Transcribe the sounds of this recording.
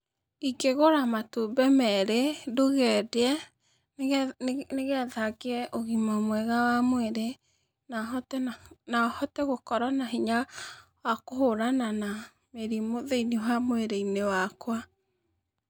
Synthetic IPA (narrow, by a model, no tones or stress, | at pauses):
iɡeɣoɾamatobɛmɛɾedoɣɛdɛ | neɣɛðakeɛʔoɣimamwɛɣawamweɾe | natnahɔtɛɣokɔɾanaɦiɲa | wakohoɾanana | meɾimoðeiniwamweɾeinewakwa